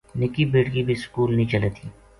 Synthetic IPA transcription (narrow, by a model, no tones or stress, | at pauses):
nɪkibeːʈɡibʱiskuːlnɐɦĩt͡ʃɐlet̪iː